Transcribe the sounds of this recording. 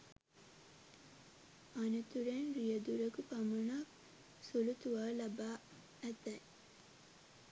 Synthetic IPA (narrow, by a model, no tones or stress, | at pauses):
anət̪uɾenɾijəd̪uɾəkupamunak | sulut̪uʋalɐbaː | æt̪ɛj